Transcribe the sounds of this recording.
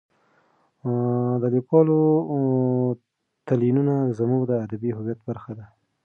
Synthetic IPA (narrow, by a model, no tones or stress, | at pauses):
d̪əlikwɑlo | t̪alinunazamuɡd̪əad̪abiɦʊwjat̪̚baɾxad̪a